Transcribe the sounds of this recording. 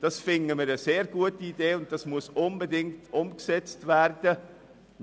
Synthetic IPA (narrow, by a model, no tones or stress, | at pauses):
d̥ɑsfɪnəməɾəseːɾɡuətiideːʊnt̚d̥ɑsmʊəsʔʊnbədɪŋtʰʔʊmksɛt͡stvæɾdə